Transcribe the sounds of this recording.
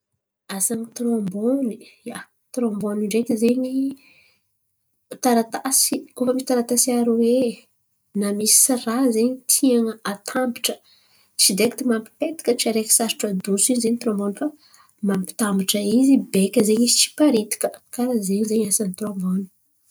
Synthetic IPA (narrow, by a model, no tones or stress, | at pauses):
asaŋit̪ɾombonija | t̪ɾomboniɳɖ͡ʐekizeɲi | t̪aɾat̪asikofəmisi̥t̪aɾat̪asiaɾoe | namisi̥razeɲit̪ʰiaŋəat̪ʰambiʈ͡ʂə̥ | t͡sid̪eki̥t̪imampi̥pet̪i̥kʲət͡ʃiaɾeki̥saɾi̥ʈ͡ʂad̪usiɲzeɲit̪ɾõmbonifa | mampi̥t̪ambiʈ͡ʂəizibekʲəzeɲizit͡si̥paɾit̪i̥kə̥kaɾazeɲizeɲasanit̪ɾõmboni̥